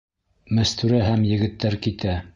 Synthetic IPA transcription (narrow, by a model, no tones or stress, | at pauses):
mæ̆st̪ʉɾæɦæmjɘ̆ɡɘ̆t̪ːæɾkit̪æ